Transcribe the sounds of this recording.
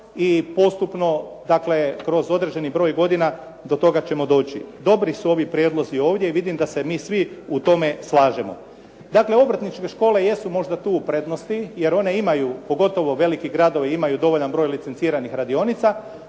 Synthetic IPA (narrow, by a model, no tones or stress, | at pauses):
ipo̞st̪upno̞d̪akle̞kɾo̞zo̞d̪ɾe̞d͡ʑe̞nibɾo̞ːjɡo̞d̪ina | d̪o̞t̪o̞ɡat͡ɕe̞mo̞d̪o̞ːt͡ɕḭd̪o̞bɾisuo̞ʋipɾje̞d̪lˠo̞zio̞ːʋd̪je̞iʋid̪imd̪asemiːsʋiut̪o̞me̞slˠaːʒemo̞̰ | d̪akle̞o̞bɾat̪nit͡ʃke̞ʃko̞ːle̞jesumo̞ʒd̪at̪uːupɾe̞d̪no̞st̪ije̞ɾo̞ne̞imajupo̞ɡo̞t̪o̞ʋo̞ʋe̞likiɡɾad̪o̞ʋeimajud̪o̞ʋo̞ʎanbɾo̞ːjlit̪se̞nt̪siːɾanixɾad̪io̞nit̪sa